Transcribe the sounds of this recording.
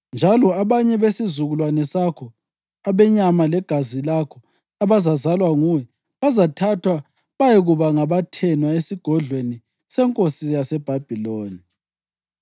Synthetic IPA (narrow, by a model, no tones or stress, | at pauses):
nd͡ʒʱalɔaβaɲɛβesizuɣulwanɛsakʰɔ | aβɛɲamalɛɡ̥ʱazilakʰɔ | aβazazalwaŋuwɛ | βazatʰatʰwa | βajɛɣuβaŋaβatʰɛnwaesiɡ̥ʱɔɮweni | sɛŋkʼosijasɛb̥ʱab̥ʱiloːni